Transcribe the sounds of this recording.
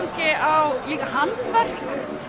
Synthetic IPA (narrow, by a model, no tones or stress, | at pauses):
nscɪawliːkahant̪vɛr̥knʏ